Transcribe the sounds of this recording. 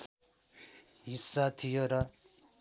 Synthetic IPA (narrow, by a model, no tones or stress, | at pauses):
ɦisːat̪ʰijoɾʌ